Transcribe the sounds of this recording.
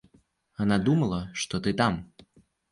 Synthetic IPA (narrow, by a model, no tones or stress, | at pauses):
anad̪umɐlˠɐʂt̪ɔt̪ɨt̪am